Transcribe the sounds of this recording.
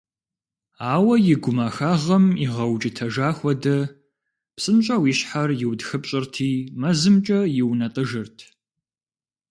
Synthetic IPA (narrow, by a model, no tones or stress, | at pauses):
aːwɐjɪɡʷʊmaːxaːʁɐmiʁɐwt͡ʃʼɪtʰɐʒaːxʷɔdɐ | psʼɨnɕʼɐwiɕħarjɪwdxɨpɕʼɪrtʰiːmɐzɨmt͡ʃʼɐjɪwnɐtʼɨʒɨrtʰ